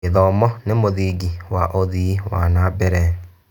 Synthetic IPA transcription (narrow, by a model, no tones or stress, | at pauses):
eðɔmɔnemoðiɡiwaʔoðiwa̰nabɛɾɛ